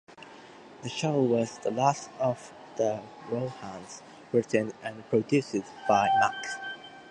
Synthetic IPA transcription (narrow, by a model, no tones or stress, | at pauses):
ðəʃoʊwʌz̥ðəlæstʌv̥ | ðə | ɹoʊhãnz̥ | ɹɪtɨ̃nɨ̃npʰɹ̥ədjʉsɪdb̥aɪʔaks